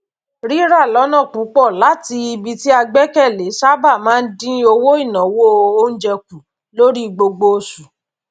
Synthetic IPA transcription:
ɾi˦ɾa˦˨lɔ˨˦nã˦˨k͡pu˨˦k͡pɔ˦˨la˨˦ti˧i˧bi˧ti˦a˧ɡ͡bɛ˦kɛ˦˨le˨˦sa˦ba˦˨mãː˦˧n̩˦dĩ˦o˧wo˦i˦˨nã˨˦wo˦˧o˦n̩˦d͡ʒɛ˧k̚u˨ | lo˦ɾi˦˨ɡ͡bo˧ɡ͡bo˧su˨

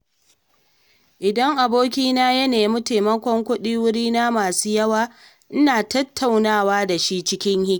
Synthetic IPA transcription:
ʔɪ˨dɐ˦ŋʔa˨boː˦kʲiː˦naː˦jɐ˦neː˨mʊ˦teː˨mɐ˦kʷɔ˦ŋkʷʊ˦ɗiː˦wʊ˦ɾiː˦na˦maː˨suː˦jɐ˦waː˦ | ʔɪ˦naː˨tɐ˦tʰːa˨wnaː˦˨waː˦da˨ʃi˦t͡ʃɪ˦kʲɪ˦ŋhɪ˦˨

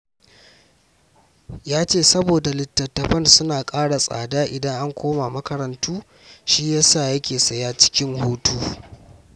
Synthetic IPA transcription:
jaː˦t͡ʃeː˦˨sɐ˦boː˨da˨lɪ˨tːɐ˨tːɐ˨ɸɐ˦nsʊ˦naː˨kʼaː˦ɽa˨sʼa̰ː˨daː˦ʔɪ˨dɐ˦ŋʔa˦ŋkʷoː˦ma˨mɐ˦kɐ˨ɾɐ˨˦ntuː˦ | ʃiː˦jaː˦saː˦˨jɐ˦kʲeː˨sɐ˨jaː˦t͡ʃɪ̥˦kʲɪ˦ŋhoː˦tuː˦

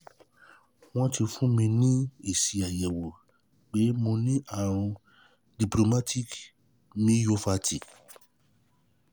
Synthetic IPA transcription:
w̃ɔ̃˦ti˧fũ˦mĩ˧nĩ˦e˨si˨a˨jɛ˨wo˨ | ɡ͡be˨˦mõ˧nĩ˦ʔa˦˨ɾ̃ũ˧ | di˨plo˨ma˦tʰi˦˨k | mĩ˦jo˦fa˧ti˨

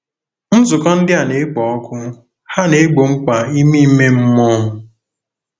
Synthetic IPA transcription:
n̩˦zʊ˨kɔ˦n̩˦dɪ˦a˨ne˨˦ɡ͡bɔ˨ɔ˦kʊ˦ | ha˦ne˨˦ɡ͡bo˨ŋ͡m̩˦kʷa˨i˦mi˦me˦m̩˦mɔ˦ɦʊ˨

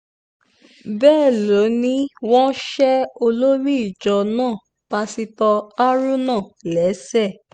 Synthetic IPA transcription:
bɛː˦˨lo˨˦nĩ˦w̃ɔ̃˦ʃɛ˦o˧lo˦ɾi˦i˦˨d͡ʒɔ˧nãː˦˨ | pa˧si˧tɔ˧a˦ɾũ˦nãː˦˨lɛ˨˦sɛ˦˨

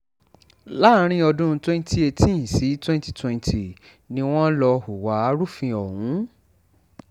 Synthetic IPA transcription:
la˦ɾ̃ĩ˦ɔ˧dũ˦˧twɛ̃˦n˦tʰi˦e˧tĩ˦˨si˨˦twɛ̃˦nti̥˦twɛ̃˨˧n˨tʰi˨ | nĩ˧w̃ɔ̃˦lɔ˧hu˨wa˨˦a˦ɾu˦fĩ˧ɔ˨hũ˨˦

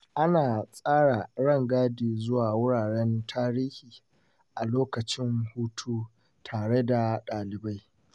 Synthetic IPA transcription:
ʔa˦naː˨sʼaː˦ɽa˨ɽɐ˦˨ŋɡaː˦diː˨zʊ˦waː˨wʊ˦ɽaː˨ɽɛ˦ntʰaː˦ɾiː˦hiː˨ | ʔa˨loː˦kɐ˨t͡ʃɪ˦ŋhuː˦tʰuː˦ | tʰaː˨ɽe˦da˨ɗaː˨lɪ˨ba˦j

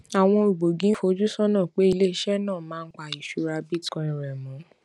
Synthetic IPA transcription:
a˨w̃ɔ̃˧u˨bo˨ɡĩ˨˦fo˧˦d͡ʒu˦sɔ˦nãː˦˨k͡pe˨˦i˧le˦˧˦ʃɛ˦nãː˦˨mãː˨˦˧n̩˦k͡pa˨i˨ʃu˨˦ɾa˧bi˦tkɔ̃˨˧ĩ˨ɾɛ˨mũ˨˦

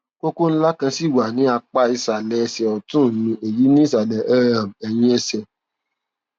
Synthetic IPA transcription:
ko˦ko˦n̩˦la˦kã˧si˦˨wa˨nĩ˨˦a˧k͡pa˦i˧sa˨lɛ˨˧sɛ˨ɔ˨tũ˦˨nũ˧e˨ji˨˦nĩ˦i˦˨s̬a˨lɛ˨ɛ˦ɾã˨m˨ɛ˨j̃ĩ˧ɛ˧sɛ˨

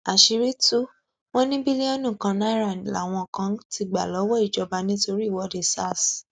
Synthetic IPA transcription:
a˨ʃi˨˧ɾe˦tu˦ | w̃ɔ̃˦nĩ˦bi˦li˦ɔ˦nũ˦˨kã˧nã˨˦i˦˨ɾa˦˨nĩ˨la̰˨w̃ɔ̃˧˨kã˧˦ti˧ɡ͡ba˨lɔ˨˦wɔ˦i˦˨d͡ʒɔ˧ba˧nĩ˦to˧ɾi˦˨wɔ˨˦de˧˨sa˦˨s

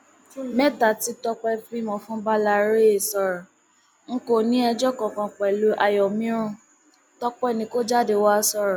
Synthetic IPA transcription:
mɛ˦ta˨ti˨˦tɔ˧k͡pɛ˧fi˦mɔ̃˧fũ˦ba˦la˧˦ɾe˦e˨sɔ˧ɾɔ˨ | ŋ̩˦ko˦˨nĩ˦ɛ˧d͡ʒɔ˦kɔ̃˨kɔ̃˧k͡pɛ˨lu˨˦ʔa˨jɔ˨mĩ˨˦ɾ̃ũ˧˨ | tɔ˧k͡pɛ˦˨nĩ˧˦ko˦d͡ʒa˦˨de˧˨wa˦˧sɔ˧ɾɔ̃˨

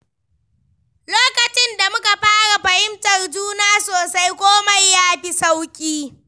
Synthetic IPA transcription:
loː˦kɐ˨t͡ʃɪ˦nda˨mʊ˦ka˨ɸaː˦ɽa˨ɸɐ˨hɪ˦mtɐ˨rd͡ʒuː˦naː˦soː˨sa˦jkʷoː˦ma˦jːaː˦ɸi˦sa˦wkʲʼiː˦

